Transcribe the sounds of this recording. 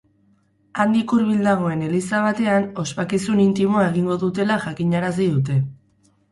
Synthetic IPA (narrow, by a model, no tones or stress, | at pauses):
and̪ikuɾβild̪aɣo̞e̞ne̞lisaβ̞at̪e̞ano̞spakisunint̪imo̞ae̞ɣ̞iŋɡo̞ðut̪e̞laʝakiɲaɾas̬iðut̪̬e̞